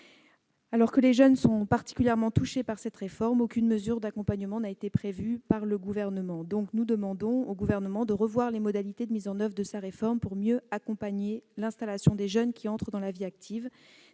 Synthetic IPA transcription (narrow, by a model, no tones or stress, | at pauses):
alɔʁkəleʒœnsɔ̃paʁt̪i̥kʲyljɛʁmɑ̃t̪uʃepaʁsɛt̪ʁefɔʁmokʲynməzyʁd̪akɔ̃paɲəmɑ̃naet̪epχevypaʁləɡuvɛʁnəmɑ̃d̪ɔ̃knud̪əmɑ̃d̪ɔ̃oɡuvɛʁnəmɑ̃d̪əʁəvwaʁlemɔd̪alit̪ed̪əmizɑ̃nœvʁəd̪əsaʁefɔʁmpuʁmjøakɔ̃paɲelɛ̃st̪alasjɔ̃d̪eʒœnkʲiɑ̃t̪χəd̪ɑ̃laviak̚t̪ʰiv